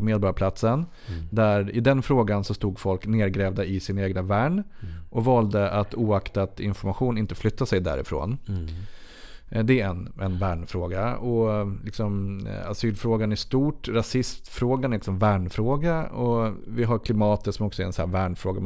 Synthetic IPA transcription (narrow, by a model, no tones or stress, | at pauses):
meːd̪bɔɾapʰlat̪sən | d̪æɾɪd̪ɛnfɾoːɡansɔst̪uːɡfɔlkneːɾɡɾɛːvd̪aɪsɪnaeːɡnavæːɳʔɔvɑːld̪əʔat̪uːakt̪at̪ɪ̰nfɔɾmaɧuːnɪnt̪əflʏt̪ːasɛjd̪æ̰ːɾɪ̰fɾo̰ːn | d̪ɛæɛnɛnvæːɳfɾoːɡaɔlɪksɔmasyːlfɾoːɡanæʂt̪uːʈɾasɪst̪fɾoːɡanæɾlɪksɔmvæːɳfɾoːɡaɔvɪɦaɾkʰlɪmɑːt̪ət̪sɔmɔksɔæɾɛnsæːɾvæːɳfɾoːɡa